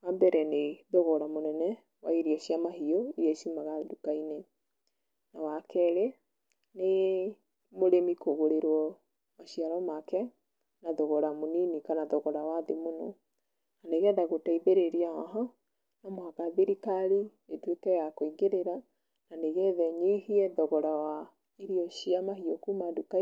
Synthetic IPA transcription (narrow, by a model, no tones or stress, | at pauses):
wambɛɾʔɛneðoɣɔɾamonɛnɛ | waiɾiɔʃiamaɦiɔijɛʃimaɣadukaine | nawakɛɾe | ne | moɾemikoɣoɾeɾwɔ | maʃiaɾɔmakɛ | naðɔɣɔɾamoninikanaðɔɣɔɾawaðemonɔ | naneɣɛðaɣotaiðeɾeɾiaaɦɔ | namwaɣaðiɾikaɾi | etwekɛjakoiɡeɾeɾa | naneɣɛðɛɲihiɛðɔɣɔɾawa | eɾiɔʃiamahiɔkumaduka